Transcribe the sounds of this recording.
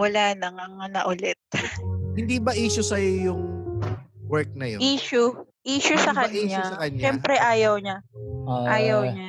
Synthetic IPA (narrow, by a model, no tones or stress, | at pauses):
wɐlaːnɐŋɐŋɐnɐʔʊlɛt̪̚hɪnd̪ibɐʔiːʃʊsɐjojʊŋ | wɛɹk̚nɐjo̰iːʃʊʔiːʃʊsɐkɐnɲasɐkɐɲɲʃɛmpɾɛʔaːjɐwɲaʔaːjɐwɲa